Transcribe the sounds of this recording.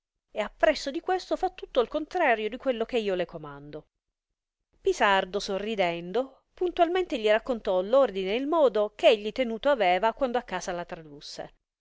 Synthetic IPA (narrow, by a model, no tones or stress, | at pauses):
eapːɾɛsːod̪ikwest̪ofat̪ːut̪ːoilkont̪ɾaːɾjod̪ikwelːok̟eiːolekomand̪o | pisard̪osorːid̪ɛnd̪o | punt̪ualment̪eʎirakːont̪ɔlord̪ineilmɔːd̪okeeʎːit̪enuːt̪oavɛːvakwand̪oakːaːsalat̪ɾad̪usːḛ